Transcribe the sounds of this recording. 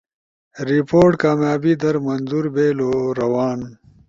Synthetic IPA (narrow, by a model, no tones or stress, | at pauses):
ɾipoːɾʈkaːmjaːbid̪ɐɾmɐnzuɾbeːloɾɐwaːn